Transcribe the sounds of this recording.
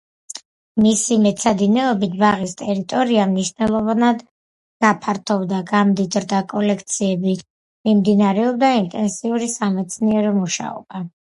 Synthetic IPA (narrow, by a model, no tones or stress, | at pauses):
misimɛt̪sʰad̪inɛɔbit̪ʰbaʁist̪ʼɛɾit̪ʼɔɾiamniʃvnɛlˠɔvanad̪ | ɡ̥apʰaɾt̪ʰɔvd̪aɡamd̪id̪ɾd̪akʼɔlɛkʰt̪sʰiɛbi | mimd̪inaɾɛɔb̚d̪aint̪ʼɛnsiuɾisamɛt̪sʰniɛɾɔmuʃa̰ɔ̰b̥a